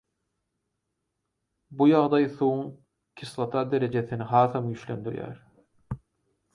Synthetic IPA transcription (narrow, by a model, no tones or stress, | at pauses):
bujɑʁd̪ɑjθuwuŋ | kʲʰislˠɑt̪ʰɑd̪eɾed͡ʒeθiniɦɑːθɑmjyʃlø̰nd̪yɾjæ̰ɾ